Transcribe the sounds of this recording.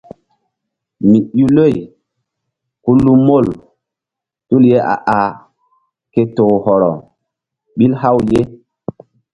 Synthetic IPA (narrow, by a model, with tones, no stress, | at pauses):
mi˨u˦lo˦˨j | ku˦lu˦mo˦˨l | tu˦lje˦ʔa̰˨ʔa˨ | ke˨toː˨hɔ˨ɾɔ̰˨ | ɓi˦lha˦wje˦